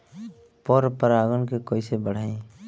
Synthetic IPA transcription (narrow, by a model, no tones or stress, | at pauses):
pɔɾpəɾaːɡənkekoːisebəɽ̤aːĩː